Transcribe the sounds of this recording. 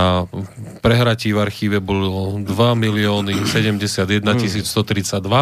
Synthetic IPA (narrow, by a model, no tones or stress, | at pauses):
apɾɛɦɾaciːvaɾxiːʋɛbɔlɔd̪ʋamiliɔːnisɛɟɛmɟɛsɪad̪jɛd̪nacisiːt͡sst̪ɔt̪ɾit͡saɟd̪ʋa